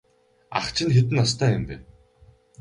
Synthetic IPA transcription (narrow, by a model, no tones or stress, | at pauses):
a̰χt͡ɕʰɪ̆nxet̪ɘ̆nast̪ʰæːjʊmpæːn